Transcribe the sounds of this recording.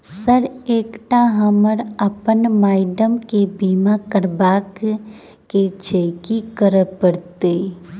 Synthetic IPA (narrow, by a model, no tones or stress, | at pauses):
səɾeːkʈaɦəməɾəpənmaːɪɖəmkebiːmakəɾbaːk | ket͡ʃeːkikəɾəpəɾt̪eː